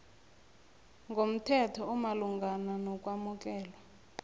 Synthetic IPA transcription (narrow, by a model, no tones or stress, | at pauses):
ŋɡʱom̩tʰɛtʰɔumaluŋɡʱananɔk̬ʼwamuk̬ʼɛːlwa